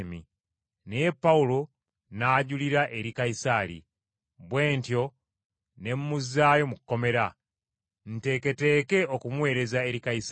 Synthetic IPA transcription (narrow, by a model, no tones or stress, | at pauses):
mḭ | nejepːaulo̞ | naːɟuliɾaʔe̞ɾikaisaɾḭ | βwe̞ːntjo̞ | ne̞mumuzaːjo̞mukːo̞me̞ɾa | n̩te̞ːke̞te̞ːke̞okumwe̞ːɾe̞zae̞ɾikais